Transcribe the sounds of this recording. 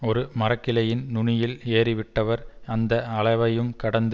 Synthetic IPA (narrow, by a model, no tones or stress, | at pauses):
ɔɾɯmɐrɐkːɪlɐjɪnnʊɳɪjɪleːɾɪʋɪʈːɐʋɐɾɐnd̪ɐɐɭɐɪʋɐjɯmkɐɽɐnd̪